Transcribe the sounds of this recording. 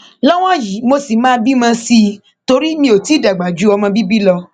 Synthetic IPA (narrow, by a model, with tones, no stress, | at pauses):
lɔ˦w̃ɔ̃˦˨ji˨˦mo˧si˨mãː˦bi˦mã˧si˧ | to˧ɾi˦mĩ˧˦o˨ti˨˦˨da˨ɡ͡ba˨d͡ʒu˨˦ɔ˧mɔ̃˧bi˦bi˦lɔ˧